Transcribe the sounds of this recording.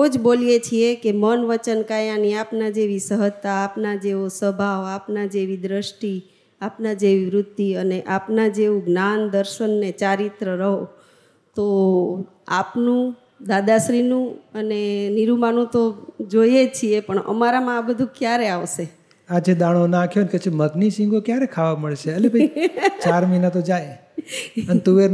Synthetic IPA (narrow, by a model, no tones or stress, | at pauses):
od͡ʒbolijet͡ʃʰiekemənʋət͡ʃənkajãniapnad͡ʒeʋisəɦət̪aːpnad͡ʒeʋosəbʱaʋapnad͡ʒeʋid̪ɾəʃʈi | apnad͡ʒeʋiʋɾʊd̪ːiəneʔapnad͡ʒeʋũɡnand̪əɾʃənːet͡ʃaɾit̪ɾəɾəɦo | t̪o | apnũ | d̪ad̪aʃɾinũəneniɾumanũt̪od͡ʒoiet͡ʃʰiepəɳə̰maɾamãːbəd̪ʱũkjaɾeaʋʃe | ad͡ʒed̪aɽ̃onakʰjonket͡ʃeməɡniʃĩŋɡokjaɾekʰaʋaməɭʃeelebʱət͡ʃaɾminat̪od͡ʒaj | ənt̪uʋe